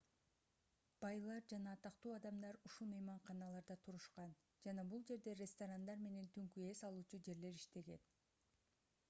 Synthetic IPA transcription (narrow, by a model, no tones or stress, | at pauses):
b̥ɑjlˠɑɾd͡ʒɑnɑːt̪ɑqt̪uːɑd̪ɑmd̪ɑɾuʃulˠmɯjmɑɴqɑnɑlˠɑɾd̪ɑt̪ʰuɾuʃqɑn | d͡ʒɑnɑbulˠd͡ʒe̞ɾd̪e̞rʲest̪oɾand̪ɑɾme̞ne̞nt̪ʰyŋkye̞sɑlˠuːt͡ʃud͡ʒe̞ɾle̞ɾiʃt̪e̞ɡe̞n